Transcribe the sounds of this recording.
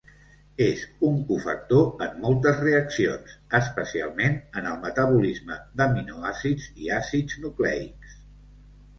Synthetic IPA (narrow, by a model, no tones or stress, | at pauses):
ezuŋkufə̰k̚t̪oəmːɔlˠt̪əzreəksionsəspəsia̰lˠmenənəlˠmət̪əβ̞ulizməðəminoasid͡ziasid͡znuklɛ̰ḭks